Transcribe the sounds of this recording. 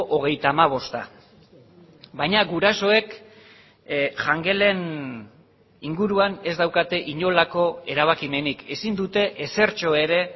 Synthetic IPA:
ʔoɣ̞e̞jt̪aːmaβ̞o̞st̪a̰ | βajɲaɣuɾaso̞e̞k | ʝaŋɡe̞le̞n | iŋɡuɾuane̞zd̪awkat̪e̞ʔiɲo̞lako̞e̞ɾaβ̞akime̞nike̞sind̪ut̪e̞ʔese̞ɾt͡ʃo̞e̞ɾe̞

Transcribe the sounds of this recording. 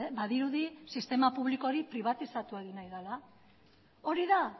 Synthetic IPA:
baðiɾuðisist̪e̞mapuβ̞liko̞ɾipɾiβ̞at̪isat̪ueɣinajðala | o̞ɾiða

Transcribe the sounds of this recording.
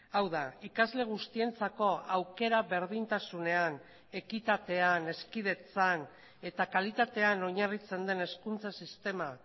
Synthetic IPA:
awðaikazle̞ɣ̞ust̪ie̞nt͡sako̞awke̞ɾaβe̞ɾðint̪asune̞an | e̞kit̪at̪e̞ane̞skið̞e̞t͡san | e̞t̪akalit̪at̪e̞ano̞ɲarit͡se̞nd̪e̞ne̞skunt͡sasist̪e̞ma

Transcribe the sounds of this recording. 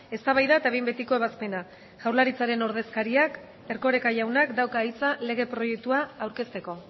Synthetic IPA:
e̞st̪aβajðaet̪aβejmbe̞t̪ikoe̞β̞aspe̞na | ʝawɾlaɾit͡saɾe̞no̞ɾð̞e̞skaɾiak | e̞ɾko̞ɾe̞kaʝawnakd̪awkaːjt͡sale̞ɣ̞e̞pɾo̞je̞k̚t̪uaːwɾke̞st̪e̞ko̞

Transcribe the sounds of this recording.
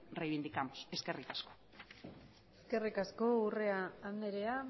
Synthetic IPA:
rejβind̪ikamose̞ske̞rikasko̥ | eske̞rikasko̞ure̞aːnd̪eɾea

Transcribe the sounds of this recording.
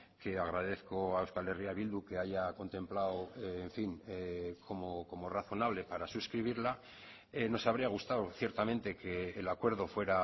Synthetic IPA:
ke̞aɣ̞ɾað̞e̞θkoaewskaleriaβild̪uke̞aʝako̞nt̪ẽ̞mplaweːɱfiŋkʰo̞moko̞mo̞raθo̞naβ̞le̞paɾasuskɾiβ̞iɾla | eno̞saβ̞ɾiaɣ̞ust̪awθje̞ɾt̪amẽ̞nt̪e̞ke̞ːlakwe̞ɾð̞o̞fwe̞ɾa

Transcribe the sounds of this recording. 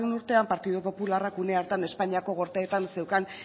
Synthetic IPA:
enuɾt̪e̞ampaɾt̪iðupo̞pularakune̞aɾt̪ane̞spaɲiako̞ɣo̞ɾt̪eːt̪anse̞wkan

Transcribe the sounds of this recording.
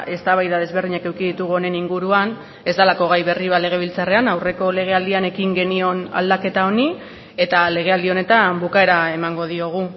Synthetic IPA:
e̞st̪aβajðað̞e̞zβe̞ɾðiɲake̞wkiðit̪uɣ̞uo̞ne̞niŋɡuɾuan | e̞zd̪alako̞ɣ̞ajβe̞riβale̞ɣ̞e̞β̞ilt͡sare̞anawre̞ko̞le̞ɣ̞e̞ald̪iane̞kiŋɡe̞nio̞na̰ld̪ake̞t̪ao̞ni | e̞t̪ale̞ɣ̞e̞ald̪io̞ne̞t̪ambukae̞ɾae̞maŋɡo̞ð̞io̞ɣ̞u

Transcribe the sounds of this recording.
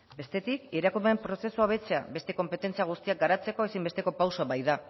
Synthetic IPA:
be̞st̪e̞t̪ikeɾakumeempɾo̞se̞suaoβ̞e̞t͡se̞a̰be̞st̪e̞ko̞mpe̞t̪e̞nt͡siaɣ̞ust̪iak̚ɡaɾat͡se̞ko̞e̞simbe̞st̪e̞ko̞pawsoaβajða

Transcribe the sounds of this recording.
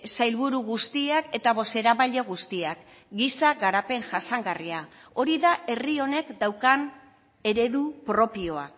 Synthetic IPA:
sajlβuɾuɣust̪iake̞t̪aβo̞se̞ɾaβaʎeɣust̪iak | ɡisaɣaɾape̞ŋʝasaŋɡariao̞ɾiðaʔe̞rio̞ne̞kd̪awkan | e̞ɾe̞ðupɾo̞pio̞a̰

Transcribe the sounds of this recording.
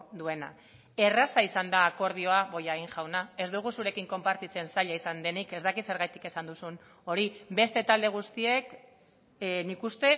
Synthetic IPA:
d̪ue̞na̰ | e̞rasaisand̪aːko̞ɾð̞io̞aβo̞jaɣiŋʝawnae̞zd̪uɣ̞usuɾe̞kiŋko̞mpaɾt̪it͡se̞nsaʎaisand̪e̞nike̞zd̪akit̪se̞ɾɣajt̪i̥ke̞sand̪usun | o̞ɾibe̞st̪e̞t̪ald̪e̞ɣ̞ust̪ie̞k | nikust̪e̞

